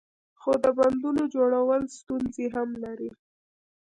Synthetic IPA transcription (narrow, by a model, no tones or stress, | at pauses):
xod̪əband̪unod͡ʒoɽawəlst̪unzeɦamlaɾi